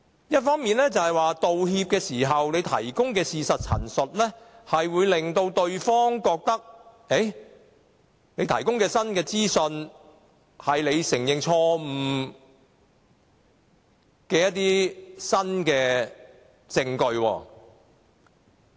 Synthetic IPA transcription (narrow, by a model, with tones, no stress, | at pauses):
jɐ˥t̚fɔː˥ŋmiː˨˧nlɛː˥t͡sɐ˨hɐ˨jwaː˨t̪o˨whiː˧p̚kɛː˧siː˨˩ɦɐ˨wne˨˧jt̪ʰɐ̰˨˩jkʊ˥ŋkɛː˧siː˨sɐ˨t̚t͡sʰɐ̰˨˩nsɵ˨t̚lɛː˥ | hɐ˨jwuː˨˧jlɪ˨ŋt̪o˧wt̪ɵ˧ɥfɔː˥ŋkɔː˧k̚t̪ɐ˥k̚ | e˨˥j | ne˨˧jt̪ʰɐ˨˩jkʊ˥ŋkɛː˧sɐ˥nkɛː˧t͡siː˥sɵ˧n | hɐ˨jle˨˧jsɪ˨˩ŋjɪ˨ŋt͡ʃʰɔː˧m̩˨˩ | kɛː˧jɐ˥t̚t̪iː˥sɐ˥nkɛː˧ | t͡sɪ˧ŋkɵ˧ɥwɔː˧˩